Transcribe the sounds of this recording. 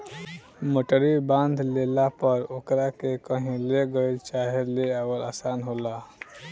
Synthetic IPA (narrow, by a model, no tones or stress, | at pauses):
moʈəɾibãnd̪ʱlelapəɾoːkɾakekəɦĩleɡəit͡ʃaɦeleawəlaːsaːnɦola